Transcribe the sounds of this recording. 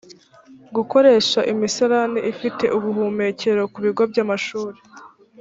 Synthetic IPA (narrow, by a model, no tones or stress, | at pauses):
ɡuko̞ɾe̞ːʃaʔimisaɾaniʔifite̞̰ʔuβuɦuːme̞ce̞ɾo̞kuβiɡob̚ɟamaʃuːɾe